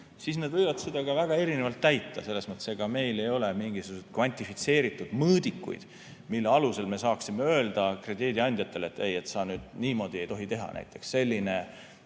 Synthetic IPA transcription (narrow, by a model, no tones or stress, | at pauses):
sisne̞d̪vɤjvɑd̪̥sed̪ɑɡɑvæɡ̥ɑe̞ɾinevɑlt̪ːæjt̪ːˑɑse̞lːesmɤt̪ːˑeseɡ̥ɑme̞jle̞jo̞lemiŋɡisuɡuset̪̚kvɑnʲt̪ˑifit̪se̞ːɾit̪ːˑud̪̥mɤːd̪̥ikːˑṵjd̪̥ | milːeɑluse̞lme̞sɑːksime̞ø̞ːld̪̥ɑkre̞d̪iːd̪iɑnʲd̪jɑt̪ːˑe̞le̞t̪ːˑe̞jet̪sɑnyːd̪̥niːmo̞ːd̪ie̞jt̪o̞ɦit̪e̞ɦɑ̰næ̰jt̪ːˑe̞̥ksːe̞lʲːine̞